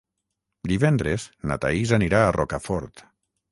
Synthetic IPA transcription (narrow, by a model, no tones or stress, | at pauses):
d̪iβɛnd̪ɾezna̰t̪a̰izaniɾaːrʔɔkafɔɾt̪